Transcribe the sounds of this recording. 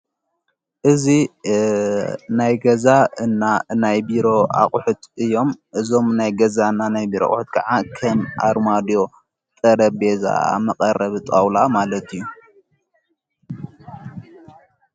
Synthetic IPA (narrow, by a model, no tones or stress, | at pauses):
ʔɨzi | najɡɐzaɨnːanajbiɾo̞a̰χʼħut̪ʰɨjːo̞mʔɨzo̞mnajɡɐzanːanajbiɾo̰ʔʼħʊt̪̚kʰɐʕakʰɐmʔa̰ɾmad̪jo̞ | t̪ʼɐɾɐbbeza̰a̰mɐqʼɐrɐβɨt̪ʼawlamalɐt̪ʰɨjːu